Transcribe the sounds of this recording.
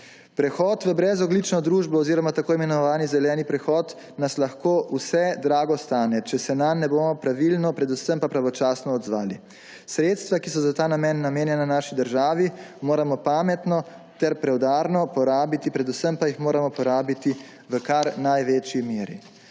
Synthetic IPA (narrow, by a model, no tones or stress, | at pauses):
pɾɛxɔːt̪ʋəbɾɛzɔɡlit͡ʃnɔd̪ɾuːʒbɔɔziːɾɔmat̪akoːimɛnɔʋaːnizɛlɛːnipɾɛxɔːt̪ | naslaxkoːʔusɛd̪ɾaːɡɔst̪aːnɛt͡ʃɛsɛnamːɛboːmɔpɾaʋilnɔpɾɛd̪usəmpapɾaʋɔt͡ʃaːsnɔɔd̪zʋaːli | sɾeːt̪st̪ʋakisɔzat̪aːnamɛnːameːnjɛnanaːʃid̪əɾʒaːʋimoːɾamɔpaːmɛt̪nɔ | t̪ɛɾpɾɛwd̪aːɾnɔpɔɾaːbit̪ipɾɛd̪usəmpajixmoːɾamɔpɔɾaːbit̪i | ʋəkaɾnajʋeːt͡ʃimeːɾḭ